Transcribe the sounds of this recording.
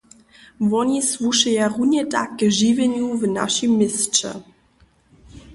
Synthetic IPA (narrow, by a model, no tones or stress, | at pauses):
vɔɲisvuʃɛjaʁuɲɛta̰kːʒivɛɲuvna̰ʃimːɪst͡ʃɛ̰